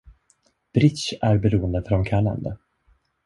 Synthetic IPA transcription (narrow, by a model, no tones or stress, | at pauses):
b̥ɾɪt̪ʃæɾbɛɾuːənd̪əfœɾɔmkʰaɳa̰nd̪ə